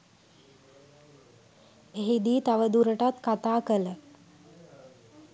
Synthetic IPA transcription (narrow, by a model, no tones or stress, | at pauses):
eɦid̪iːt̪aʋəd̪uɾəʈat̪kat̪aːkələ